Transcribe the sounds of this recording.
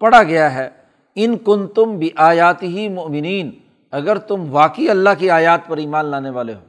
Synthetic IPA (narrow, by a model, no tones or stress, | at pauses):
pɐɽaɡɐjaɦɛː | ɪnkʊnt̪ʊmbɪʔaːjaːt̪ɪɦimʊʔmɪniːn | ɐɡəɾt̪ʊmʋaːkiɐlːaɦkiaːjaːt̪̚pɐɾiːmaːnlaːneʋaːleɦoː